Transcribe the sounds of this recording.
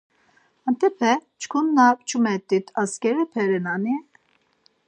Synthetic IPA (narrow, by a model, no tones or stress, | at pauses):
ant̪ɛpʰɛt͡ʃʰkʰunːapt͡ʃʰumɛt̪ʼːit̪ʰaskɛɾɛpʰɛɾɛnani